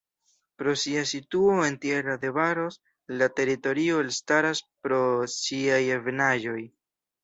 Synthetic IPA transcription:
pɾo̞siasituo̞e̞ntje̞ɾade̞vaɾo̞s | late̞ɾito̞ɾio̞elstaɾaspɾo̞siajevnaʒo̞j

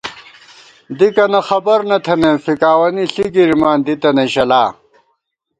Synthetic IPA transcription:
d̪ikɐnɐxɐbɐɾnɐt̪ʰɐnefikaːwɐniɬiɡiɾmaːnd̪it̪ɐneɕɐlaː

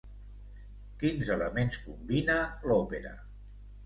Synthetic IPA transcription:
kinzələmenskumbinəlɔpeɾə̰

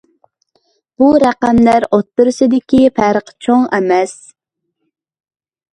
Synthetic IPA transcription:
b̥uɾæqæmlæɾot̪ːʊɾsɨd̪ɪkʲipʰæɾəqt͡ʃʰoŋɛmɛs

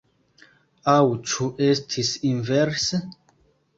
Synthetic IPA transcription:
awt͡ʃʰuʔestʰisinvɛɾs

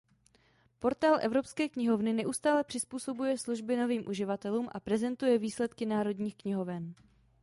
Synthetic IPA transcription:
po̞ɾt̪aːlʔɛvɾo̞pskɛːkɲɪɦo̞vnɪnɛʔust̪aːlɛpr̝̥ɪspuːso̞bujɛsluʒbɪno̞viːmʔuʒɪvat̪ɛluːmʔa̰pɾɛzɛnt̪ujɛviːslɛt̪kɪnaːɾo̞dɲiːxkɲɪɦo̞vɛn

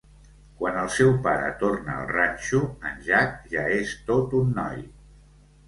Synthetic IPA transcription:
kwanəlˠsɛwpaɾə̰t̪ornə̰ːlˠranʲʃuənʲʒak̚ʒaest̪ot̪unːɔ̰j

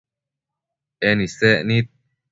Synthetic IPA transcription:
eniseʔnit̪̚

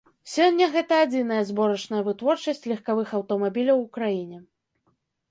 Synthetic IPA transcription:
sʲɔnʲːɐɣɛt̪ɐːd͡zʲin̪ɐjɐzbɔɾɐt͡ʂnɐjɐvɨt̪vɔrt͡ʂɐsʲt͡sʲlʲɐxkavɨxɐwt̪ɔmabʲilʲɐwukɾajinʲɛ

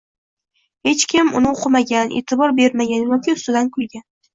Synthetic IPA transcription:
he̞t͡ʃkʲʰɪmʊnɪoqʰɨmaɡʲanʔḛt̪ʰɪbɒɾbe̞ɾmaɡʲanjɒkʲɪʊst̪ʊd̪ankʲʰʊlˠɡʲan

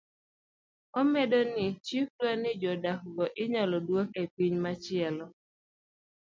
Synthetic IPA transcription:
ɔmedonɪt͡ʃiflwanɪd͡ʒɔdakɡɔʔɪɲɔlɔdwoŋepiɲmat͡ʃɪɛlɔ

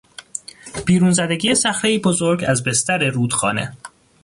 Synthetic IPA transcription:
b̥iːɾuːnzæd̪e̞ɟiːjesæxɾeiːbo̞zoɾɡæzbe̞st̪æɾeɾuːd̪̥xɒ̰ːne̞̰

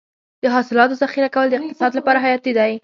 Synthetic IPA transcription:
d̪əɦɑsɪlɑt̪ozaxiɾakawəld̪əɪq̚t̪ɪ̥sɑd̪lapɑɾaɦajɑt̪ːed̪aj

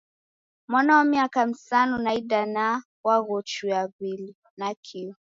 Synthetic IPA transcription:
mwanawamiakam̩sanunaidana | waɣɔt͡ʃujaɣili | nakʰiɔ

